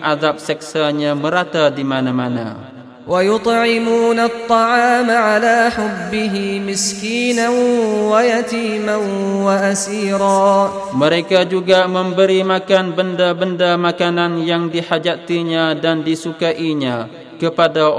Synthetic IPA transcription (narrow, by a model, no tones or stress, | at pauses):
ʔaðap̚sɛk̚saɲãməɾat̪adimanamana̰ | wajʊt̪ˤʕɪmuːnat̪ˤːɑʕɑːmaʕalaːħʊbːɪɦɪmɪskiːnanwajat̪iːmanwaʔasiːɾˤɑː | məɾekad͡ʒuɡamə̃mbəɾimakanbəndabəndamakananjaŋdihad͡ʒat̪iɲãdandisukaʔiɲã | kəpada